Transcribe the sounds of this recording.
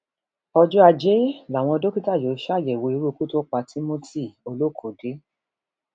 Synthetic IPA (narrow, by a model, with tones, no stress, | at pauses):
ɔ˧d͡ʒu˦a˧d͡ʒe˨˦la˨w̃ɔ̃˧do˦ki˦ta˦˨jo˨˦ʃa˦a˦˨jɛ˨wo˨˧i˧˦ɾu˦˧ku˦to˦k͡pa˧ti˦mo˦ti˦˨o˧lo˦˨kʰo˨ɡe˨˦